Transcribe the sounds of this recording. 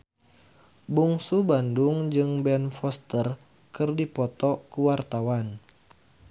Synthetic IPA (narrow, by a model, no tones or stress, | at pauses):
buŋsubanduŋd͡ʒɨŋbɛnfɔst̪ər | kɨrdipɔt̪ɔkuwart̪awan